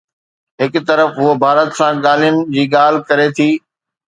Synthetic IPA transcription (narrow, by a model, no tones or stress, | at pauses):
ɦɪkʊt̪ɐɾəfɦʊɦobʱaːɾət̪sãɠaːl̤ijʊnɪ̆d͡ʑiːɠaːl̤ɪkɐɾet̪ʰiː